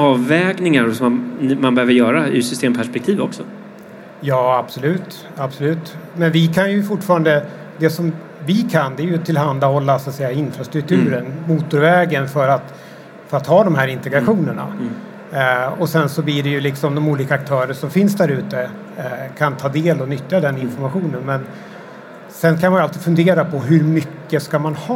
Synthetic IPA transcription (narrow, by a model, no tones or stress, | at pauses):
ɑːvːɛːɡnɪŋaɾɔsɔmamanbɛhøːvəɾjœːɾaɪ̰sʏst̪eːmpʰæʂpɛkt̪ʰiːvɔksɔ | jɑːab̥sɔlʉ̟ːt̪ | absɔlʉ̟ːt̪mɛnvɪkʰanjɵfʊʈːfɑːɾand̪ə | d̪ɛsɔm | vɪkʰand̪ɛæɾjɵt̪ʰɪlɦand̪ahɔlːasat̪sɛjːaɪnfɾast̪ɾɵk̚t̪ʰʉ̟ːɾənmuːt̪ʊɾvɛːɡənfœɾat̪ | fœɾat̪hɑːd̪ɔmɦæːɾɪnt̪ɛɡɾaɧuːnəɳa̰ | ɔsɛnsɔblɪɖɛjɵlɪksɔmd̪ɔmuːliːkaːk̚t̪ʰœːɾəʂɔmfɪnsd̪æɾʉ̟ːt̪ə | kʰant̪ʰɑːd̪eːlɔnʏt̪ːjad̪ɛnːɪnfɔɾmaɧuːnənmɛn | sɛnkʰanmanjʊalt̪iːd̪fɵnd̪eːɾapʰɔɦɵɾmʏkːəskamanhɑː